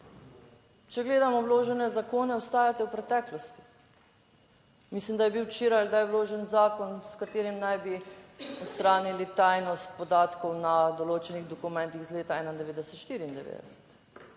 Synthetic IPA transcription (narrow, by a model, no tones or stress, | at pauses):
t͡ʃɛɡleːd̪amɔwloːʒɛnɛzakoːnɛɔst̪aːjat̪ɛwpɾɛt̪ɛːklɔst̪i̥ | mislimd̪ajɛbiwt͡ʃeːɾajɡd̪ajwloːʒɛnzaːkɔnskat̪eːɾimnajbiɔt̪st̪ɾaːnilit̪ajnɔst̪̚pɔd̪aːt̪kɔwnad̪ɔloːt͡ʃɛniɣd̪ɔkumɛ̃nt̪iɣzleːt̪aɛːnand̪ɛʋeːd̪ɛsɛ̥t̪ʃt̪iːɾiːnd̪ɛʋḛːd̪ɛ̰sɛ̥t̪